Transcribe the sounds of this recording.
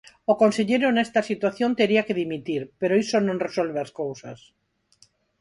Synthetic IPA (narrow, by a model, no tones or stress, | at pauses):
okonseʎejɾonest̪asit̪waθjont̪eɾiakeðimit̪iɾpeɾoisonõnresolβeaskowsa̰s